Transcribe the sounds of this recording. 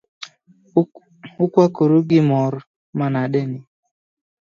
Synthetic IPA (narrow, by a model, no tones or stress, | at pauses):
ʊkwakoɾuɡɪmɔɾ | manaɗɛnɪ